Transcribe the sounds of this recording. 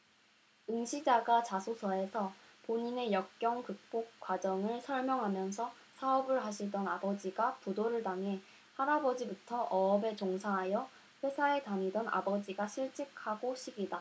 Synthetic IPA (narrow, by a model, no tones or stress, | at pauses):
ɯŋɕʰid͡ʑaɡat͡ɕasʰosʰʌe̞sʰʌpoɲine̞jʌk̚k͈jʌŋkɯk̚p͈ok̚k͈wad͡ʑʌŋɯɭsʰʌɭmjʌŋɦamjʌnsʰʌ | sʰaʌbɯɭɦaɕʰiɭdʌnabʌd͡ʑiɡapudoɾɯɭtaŋɦe̞ | haɾabʌd͡ʑibutʰʌʔʌʌbe̞t͡ɕoŋsʰaɦajʌ | ɸwe̞sʰae̞taɲidʌnʔa̰bʌd͡ʑiɡaɕʰiɭt͡ɕ͈ik̚ʰaɡoɕʰiɡida